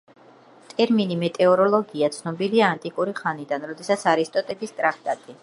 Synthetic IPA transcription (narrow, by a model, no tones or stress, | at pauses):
t̪ʼɛɾminimɛt̪ʼɛɔɾɔlˠɔɡiat̪sʰnɔbiliaːnt̪ʼikʼuɾiχanid̪anɾɔd̪ɛsat̪sʰaɾist̪ʼɔt̪ʼɛbist̪ʼɾak̚ʰt̪ʼat̪ʼi